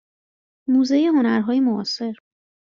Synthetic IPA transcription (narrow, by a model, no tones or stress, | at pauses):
muːzejeɦonæɾɦɒːjemoɒ̰ːse̞ɾ